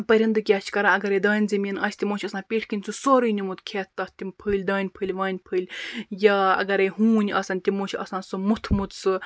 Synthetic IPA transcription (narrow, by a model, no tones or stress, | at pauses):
pɐɾʲind̪ɨkʲaːt͡ʃʰkɐɾãɐɡɐɾed̪aːnʲzimʲinɐsʲt̪ʲimoːt͡ʃʰɐsãːpʲiʈʰʲkɨnʲt͡susoːɾɨnʲimut̪kʰet̪̚ʰt̪ɐht̪ʲːimpʰɨːlʲd̪aːnʲpʰɨlʲʋaːnʲpʰɨːlʲjaɐ̰ɡɐɾeɦuːnʲɐsɐnʲt̪ʲimoːt͡ʃʰɐ̰sãːsumut̪ʰmut̪t͡sɨ